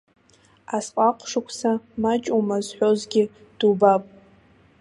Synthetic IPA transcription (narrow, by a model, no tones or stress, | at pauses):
asqʼaqʷʰʼʂɨkʷʰsamat͡ʃʼumazħʷᶣo̞zɡʲɪ | d̥ubapʼ